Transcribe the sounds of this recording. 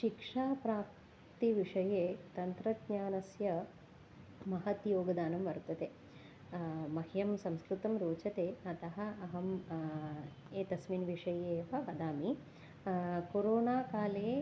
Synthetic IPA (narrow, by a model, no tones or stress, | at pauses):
ʃikʂaːpɾaːp̚ | t̪iʋiʂɐjeːt̪ɐnt̪ɾɐd̪ɲaːnɐsjɐ | mɐɦɐt̪joːɡɐd̪aːnɐmʋɐɾt̪ɐt̪eː | mɐhjɐmsɐ̃mskɾut̪ɐmɾoːt͡ʃɐt̪eːɐt̪ɐɦɐ̆ɐɦɐm | eːt̪ɐsminʋiʂɐjeːʋɐʋɐd̪aːmi | koɾoːnaːkaːleː